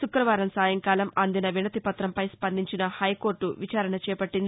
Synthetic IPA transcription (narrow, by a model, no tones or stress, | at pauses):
sukɾɐʋaːɾɐmsaːjɐŋkaːlɐmɐnd̪inɐʋinɐt̪ipɐt̪ɾɐmpɐjspɐnd̪ʱiɲt͡ʃinɐhɐjko̞ːɾʈːuʋit͡ʃaːɾɐɳɐt͡ʃɛːpɐʈːind̪i